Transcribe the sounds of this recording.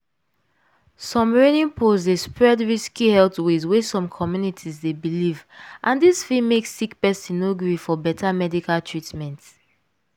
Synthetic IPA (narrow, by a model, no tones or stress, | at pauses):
sɔ̃mɹenĩnpʰozdespɹɛdɹiskihɛltwezwesɔ̃mkʰɔmjunitʰizdebilivʔãndisfimeksːikpɛsĩnoɡɹifɔbɛtʰamɛdikaltʰɹitmɛ̃nt